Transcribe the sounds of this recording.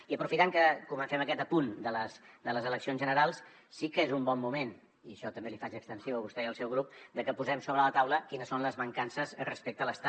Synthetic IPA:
iəpɾufit̪aŋkəkumənsɛməkɛt̪əpund̪ələsd̪ələzələksionzʒənəɾalˠsː | ikəezumbɔmːumen | iəʃɔt̪əmbelifat͡ʃəkst̪ənsiwəβust̪ɛəlˠsɛwɣɾup̚d̪əkəpuzɛmsoβɾələt̪awləkinəsonləzβəŋkansəzrəspek̚t̪ələst̪a

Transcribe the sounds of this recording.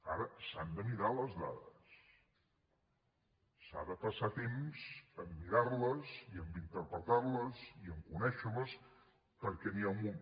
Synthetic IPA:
aɾəsand̪əmiɾaləzla̰ðə̰s | a̰ðəpəsat̪emz̥əmːiɾarləziəmbint̪əɾpɾət̪arləziəŋkunɛʃələs | pəɾkɛniaumu

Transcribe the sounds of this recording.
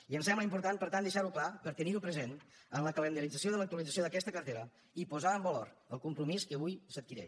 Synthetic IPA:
iənsɛmbləimpuɾt̪anpəɾt̪and̪əʃaɾuklapəɾt̪əniɾupɾəzenənləkələnd̪əɾid͡zəs̬joðələk̚t̪uəlid͡zəs̬joðəkɛst̪əkərt̪eɾə | ipuzaəmbəloɾə̰lˠkumpɾumiskəβujsət̪̚kiɾɛ̰

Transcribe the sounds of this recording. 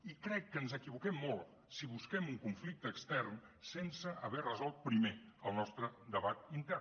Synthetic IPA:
ikɾɛkːənzəkiβukɛmːɔlˠt̪ | siβuskɛmuŋkuɱflik̚t̪əːkst̪ɛrnsensəʔəβɛrəzɔlˠt̪̚pɾimeəlˠnɔst̪ɾəd̪əβat̪int̪ɛr

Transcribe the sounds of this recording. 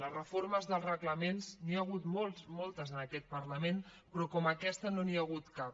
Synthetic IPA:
lərəfoɾməzðəlˠzrəɣləmenzniəɣut̪molˠsmɔlˠt̪əzənəkɛt̪̚pərləmen | pɾɔkɔməkɛst̪ənoniaɣ̞ut̪ka

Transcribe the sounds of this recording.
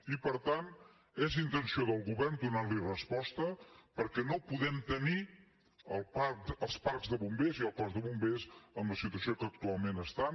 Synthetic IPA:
ipəɾt̪an | ezint̪ənsioðəlˠɣuβɛɾnd̪unaɾlirəspɔst̪əpəɾkɛnopuðɛmt̪əni | əlˠpaəlˠspaɾkzðəβumbeziəlˠkɔzðəβumbezəmləsit̪uəsiokək̚t̪ualˠmenəst̪an

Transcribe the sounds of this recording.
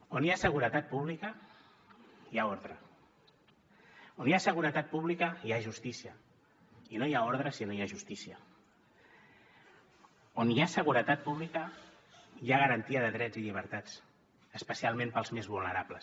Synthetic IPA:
onjasəɣ̞uɾət̪at̪̚puβlikə | jaoɾðɾə | onjasəɣ̞uɾət̪at̪̚puβlikəjaʒust̪isiə | inojaoɾð̞ɾəsinojaʒust̪isiə | onjasəɣuɾət̪at̪̚puβ̞likə | jaɣ̞əɾənt̪iəðəðɾɛd͡ziʎiβ̞əɾt̪at͡s | əspəsialˠmẽmpəlˠzmezβulˠnəɾapləs

